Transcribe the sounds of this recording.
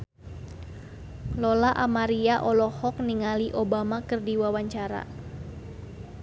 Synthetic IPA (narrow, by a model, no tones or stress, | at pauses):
lɔlaʔamaɾiaʔɔlɔhɔk̚niŋaliʔobamakɨrdiwawaɲt͡ʃaɾa̰